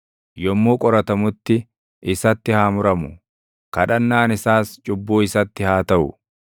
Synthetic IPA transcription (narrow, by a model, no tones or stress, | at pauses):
jɔmːoːkʼɔɾɐt̪ɐmʊt̪ːɪ | ɪsɐt̪ːɪhaːmʊɾɐmʊ | kɐᶑɐnːaːnɪsaːst͡ʃʼʊbːuːɪsɐt̪ːɪhaːt̪ɐʔʊ̰